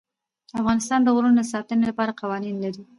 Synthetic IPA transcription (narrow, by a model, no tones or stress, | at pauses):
afɣɑnɪst̪ɑnd̪əɣɾund̪əsɑt̪ənelapɑɾaqɑwɑninlaɾi